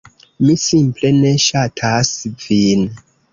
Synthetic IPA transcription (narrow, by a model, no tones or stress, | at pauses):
misimple̞ne̞ʃatʰasvin